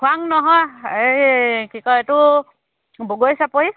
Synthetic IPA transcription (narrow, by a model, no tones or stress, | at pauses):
kʰwaŋnɔɦɔjekikɔetʊ | boɡojsapoɦi